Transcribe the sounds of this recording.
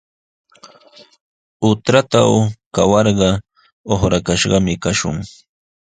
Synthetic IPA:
ʊt̪ɾat̪awkawɑɾɢɑ | oχɾakaʃɢɑmɪkaʃʊ̰ŋ

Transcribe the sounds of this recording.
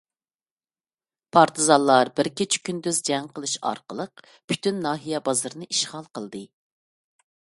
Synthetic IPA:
pʰɑɾt̪ʰɨzɑllːˠɑɾbɪɾkʲet͡ʃʰi̥kʲʰynd̪yzd͡ʒɛŋqəlˠɨʃɑ̰ɾqəlˠəq | pʰy̥t̪ynːɑːɦijɛbɑzɨɾɨnɨʔiʃʁɑlˠqəlˠd̪ɨ

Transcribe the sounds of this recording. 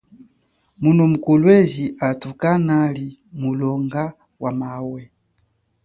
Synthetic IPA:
munɔmukɔlwɛziʔatukanalimulɔŋɡa | wʔamawɛ

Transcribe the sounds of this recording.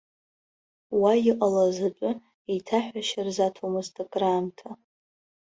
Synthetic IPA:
wajɪqʼalazat͡pʷʼʊ | etʰaħʷᶣaʃɪrzatʰomɨstʰʼakʼrantʰa

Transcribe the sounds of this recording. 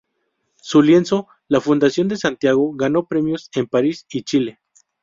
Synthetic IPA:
sulje̞nso̞ | lafund̪asjo̞nd̪e̞sant̪jaɣo̞ɣano̞pɾe̞mjo̞se̞mpaɾisit͡ʃile̞

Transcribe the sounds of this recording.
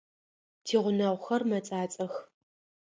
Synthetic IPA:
tʰiːʁʷʊnɐʁʷxɐrmɐt͡sʼaːt͡sʼɐx

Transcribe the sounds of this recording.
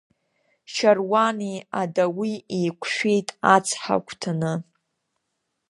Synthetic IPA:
ʃarwaniadawiejkʷʰʼʃᶣʷejtʼat͡sʰħa̰kʷʰʼtʰanɨ

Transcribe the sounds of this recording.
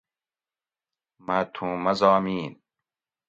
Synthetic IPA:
mɐt̪ʰũːmɐzaːmiːn

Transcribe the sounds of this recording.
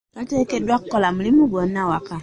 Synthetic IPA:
katekedwakːɔlamulimuɡɔnawaka

